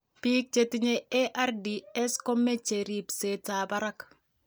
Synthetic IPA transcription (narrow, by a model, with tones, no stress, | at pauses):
pi˦k̚t͡ʃe˦ti˦ɲe˦e˦ʔa˦ɾdi˨ɛ˦skɔ˦me˦t͡ʃe˨ɾi˨pse˨ta˨ba˦ɾa˦k